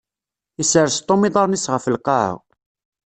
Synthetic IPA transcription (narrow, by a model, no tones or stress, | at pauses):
isəɾst̪ˤːomiðˤɑɾˤnisʁəfəlqɑʕ̰ʁ